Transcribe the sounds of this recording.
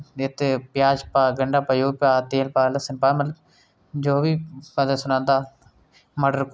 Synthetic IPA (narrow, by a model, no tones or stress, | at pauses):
et̪pjaːd͡ʒpaːɡɐɳɖaːpɐjoːpaːt̪eːlpaːlɐsɪnpaːmɐl | d͡ʒoːʋiːpɐd̪esʊnãːnd̪aː | mɐɖəɾk